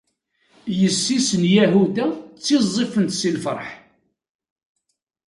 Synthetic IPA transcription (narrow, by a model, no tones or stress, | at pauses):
jəsːisənjæɦud̪æt͡sːizˤːifənt̪silfə̰ɾˤħ